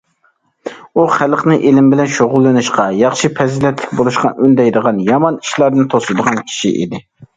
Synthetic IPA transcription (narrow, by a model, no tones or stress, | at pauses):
uχælˠqnɨʔelɪmbɪlɛnʃoʁʊlˠːɨnɨʃqɑjɑχʃipʰɛzilɛt̪ʰlɪkʲbolˠuʃqɑ̰ʔynd̪ɛjd̪əʁɑnjɑmɑniʃlˠɑɾd̪ɨnt̪ʰosɨd̪əʁɑnkʲʰi̥ʃḭʔḭd̪ɪ